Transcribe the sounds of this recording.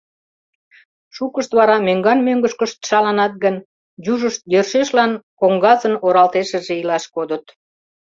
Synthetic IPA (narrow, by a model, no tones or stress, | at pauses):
ʃukəʃt̪βɑɾɑmøŋɡɑnmøŋɡəʃkəʃt̪ʃɑlɑnɑt̪̚ɡən | juʒəʃt̪̚jørʃeʃlɑnkoŋɡɑzənoɾɑlt̪eʃə̆ʒeilɑʃkod̪ət̪